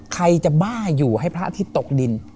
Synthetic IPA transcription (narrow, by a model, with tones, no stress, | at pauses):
kʰa˧jt͡ɕa˨˩baː˥˩juː˨˩hɦa˥˩jpʰɾa˦˥ʔt̪ʰiː˥˩t̪o˨˩k̚di˧n